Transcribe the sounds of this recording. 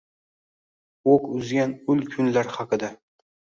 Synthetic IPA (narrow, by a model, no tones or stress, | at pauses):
okʊzɡʲanʊlkʰʊnlaɾhɑqʰɨd̪a